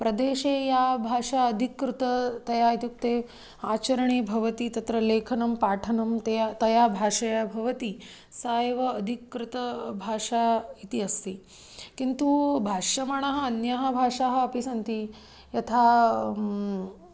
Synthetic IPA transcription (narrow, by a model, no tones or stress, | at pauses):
pɾɐd̪eːʂejabʱaːʂaɐd̪ʱikːɾut̪ɐt̪ɐjait̪juk̚t̪e | aːt͡ɕɐɾɐɳ̃iːbʱɐʋɐt̪it̪ɐt̪ɾɐleːkʰɐnɐmpaːʈʰɐnɐmt̪ejat̪ɐjabʱaːʂɐjabʱɐʋɐt̪i | saːjʋɐːd̪ʱikːɾut̪ɐbʱaːʂait̪iɐst̪i | kint̪ubʱaːʂɐmaɳ̃ɐɦɐ̆ɐnjɐɦɐ̆bʱaːʂaɦɐ̆ːpisɐnt̪i | jɐt̪ʰa